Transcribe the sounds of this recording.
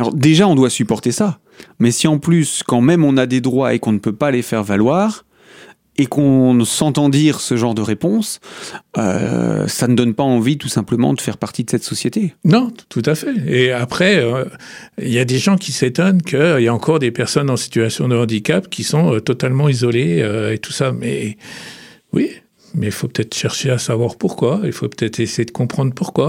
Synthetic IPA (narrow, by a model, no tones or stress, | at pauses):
alɔ̰ʁd̪eʒaɔ̃d̪wasypɔʁt̪esa | mɛsiɑ̃plyskɑ̃mɛmɔ̃nad̪ed̪ʁwaʔekɔ̃nəpøpalefɛʁvalwaːʁ | ekɔ̃sɑ̃t̪ɑ̃d̪iʁsəʒɑ̃ʁd̪əʁepɔ̃s | ø̰sanəd̪ɔnpaɑ̃vit̪usɛ̃pləmɑ̰̃d̪əfɛʁpaʁt̪id̪əsɛt̪sɔsjet̪enɔ̃t̪ut̪afɛeapχɛø | iljad̪eʒɑ̃kʲiset̪ɔnkʰəiljaɑ̃kɔʁd̪epɛʁsɔnɑ̃si̥t̪yasjɔ̃d̪əɑ̃d̪ikʲapkʲisɔ̃øt̪ɔt̪almɑ̃izɔleøet̪u̥samɛ̰ | wi | mɛilfopə̥t̪ɛt̪χə̥ʃɛʁʃeasavwaʁpuʁkwailfopə̥t̪ɛt̪χesejed̪əkɔ̃pχɑ̃d̪ʁpuʁkwa